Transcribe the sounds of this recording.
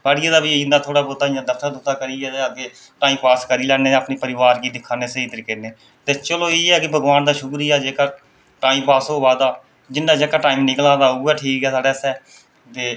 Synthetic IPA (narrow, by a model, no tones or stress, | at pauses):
paɽijaːd̪aːbiːɪnd̪aːt̪ʰoːɽaːboːt̪aːɪãːd̪əfʰt̪ad̪ʊt̪aːkəɾiːɛːk̪eː | ʈaːĩːpaːskəɾiːlɛːneːəpneːpəɾɪʋaːɾkiːd̪ɪkʰːaːneːseit̪əɾkeneː | t̪eːt͡ʃəloːeːɦɛːkɪbʱəɡʋaːnd̪aːʃʊkɾiːɛːd͡ʒeːkaː | ʈaːĩːmpaːsoːʋaːd̪aː | d͡ʒɪnːaːd͡ʒeːkaːʈaːiːmnɪkəlaːd̪aːuːɛːʈʰiːkɦɛːsaːɽeːsɛː | t̪eː